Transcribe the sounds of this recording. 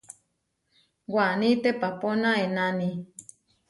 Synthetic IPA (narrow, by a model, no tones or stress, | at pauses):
wanĩt̪epaponãenani